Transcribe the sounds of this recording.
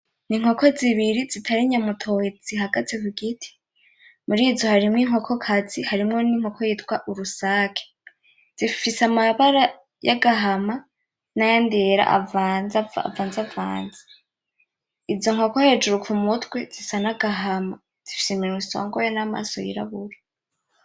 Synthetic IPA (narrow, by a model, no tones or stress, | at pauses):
niŋ̥ho̞ko̞ziβiɾizitʰaɾiɲamutʰo̞hed͡z̥iɦaɡat͡sekuɡitʰi̥ | muɾiːzo̞haɾimŋiŋ̥ho̞kʰo̞kʰazihaɾimŋo̞niŋ̥ho̞kʰojiːtwaʔuɾusaːkʰe̥ | z̥ifisamaβaɾa | ja̰ɡaɦama | najandeɾa̰ʔa̰vaːnzaa̰vaːnzava̰ːnzi̥ | izo̞ŋho̞ko̞he̞ːd͡ʒuɾukʰumutwe̞zisanaɡaɦama | z̥ifi̥siminuso̰ːŋɡojonama̰ːso̰jḭɾa̰βuɾa